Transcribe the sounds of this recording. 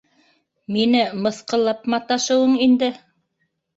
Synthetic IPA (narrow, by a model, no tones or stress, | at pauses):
minɘmɤ̆θqɤ̆lˠɑpmɑt̪ɑʃɤ̆wɤɴind̪ɘ